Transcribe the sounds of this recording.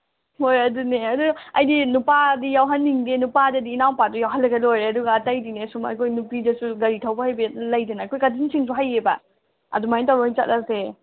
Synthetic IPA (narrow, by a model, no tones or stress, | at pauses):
hojɐduneɐduɐjdinupadijawɦɐnːiŋdenupadɐdiːnawpadujawɦanlːɐɡelojɾeɐduɡɐːtajdinesumɐ̰jkʰojnupidɐsuɡɐɾitʰawbɐhajbelɐjdinaːjkʰojkadinsʰiŋs̬ʰuɦajebɐ̰ | ɐ̰dumajntawɾojnt͡ʃa̰t̚ase